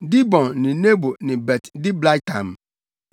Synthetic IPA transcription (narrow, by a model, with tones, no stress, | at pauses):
di˦bɔ̃˨nːɪ̃˨ne˦bo˨nɪ̃˨bɛ˨tdɪ˦bla˦jtʰã̰˨m